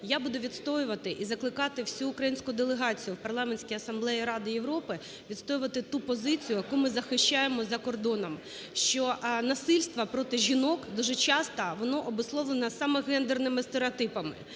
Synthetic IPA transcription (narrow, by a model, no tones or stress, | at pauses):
jabud̪ʊʋʲid̪st̪ɔjʊʋɐt̪ɪʔizɐklˠɪkɑt̪ɪwsʲuːkɾɐjinʲsʲkʊd̪elˠeɦɑt͡sʲijʊwpɐrlˠɑmenʲsʲkʲijɐsɐmblˠɛjiɾɑd̪ɪjeʋɾɔpɪ | ʋʲid̪st̪ɔjʊʋɐt̪ɪt̪upɔzɪt͡sʲijʊjɐkumɪzɐxɪʃt͡ʃajemɔzɐkɔrd̪ɔnɔm | ʃt͡ʃɔnɐsɪlʲst̪ʋɐpɾɔt̪ɪʒʲinɔkd̪uʒɛt͡ʃɑst̪ɐʋɔnɔʔɔbʊslˠɔʋlˠenɐsɑmɛɣɛnd̪ernɪmɪst̪eɾeɔt̪ɪpɐmɪ̰